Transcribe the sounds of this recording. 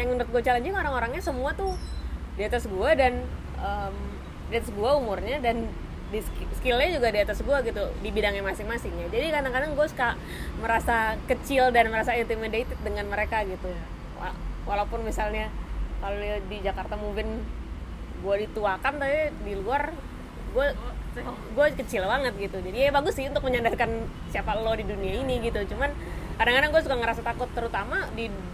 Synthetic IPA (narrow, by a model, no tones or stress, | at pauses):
jaŋəndʊt̪̚ɡuat͡ʃaland͡ʒuɡaoɾaŋoɾaŋɲasəmuat̪ʊ | diat̪asɡuadan | əm | diat̪asɡuaumʊrɲadan | diskskɪlɲad͡ʒuɡadiat̪asɡuaɡit̪udibidaŋɲamasɪŋmasɪŋɲad͡ʒadikadaŋkadaŋɡuaska | məɾasakət͡ʃɪldanməɾasaint̪imədet̪ɪt̪̚dəŋanməɾekaɡit̪uja | wa̰walaupʊnmisalɲakalodid͡ʒakart̪amuvɪn | ɡuadit̪uakant̪aidiluar | ɡua | ɡuakət͡ʃɪlbaŋət̪̚ɡit̪ud͡ʒadiaabaɡʊsːɪhunt̪ʊk̚məɲandaskansiapaəlɔdiduniainiɡit̪ut͡ʃuman | kadaŋkadaŋɡuasukaŋəɾasat̪akʊt̪ːəɾut̪amadi